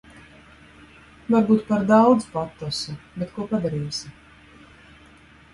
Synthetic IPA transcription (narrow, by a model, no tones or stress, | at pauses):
vaɾbuːt̪paɾd̪awd̪zpat̪ːɔsubet̪kuɔpad̪aɾiːsi